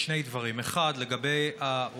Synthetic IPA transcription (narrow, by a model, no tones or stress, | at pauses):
ʃnejd̪vaʁimeχad̪le̞ɡabe̞ja